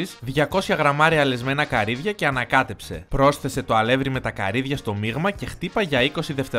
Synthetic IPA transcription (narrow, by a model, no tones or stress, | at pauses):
isðʝɐko̞sçɐɣɾɐmɐɾiɐle̞zme̞nɐkɐɾiðʝɐce̞ɐnɐkɐt̪e̞pse̞̰pɾo̞sθe̞se̞t̪oɐle̞vɾime̞t̪ɐkɐ̰ɾiðʝɐst̪o̞miɣmɐce̞xt̪ipɐʝɐiko̞siðe̞ft̪e̞